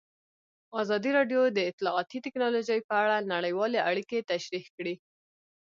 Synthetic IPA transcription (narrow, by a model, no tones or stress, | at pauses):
ɑzɑd̪iɾɑɖjod̪əɪt̪lɑːt̪it̪ɪknɑloʒəjpəaɽanaɽəjwɑleʔaɽiket̪aʃɾihkɽi